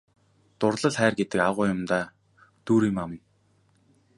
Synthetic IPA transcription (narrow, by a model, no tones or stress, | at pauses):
t̪ʊrɮə̆ɮχæːrɡet̪ɘ̆kaʁʊːjʊmt̪aː | t̪uːɾiːmamə̆n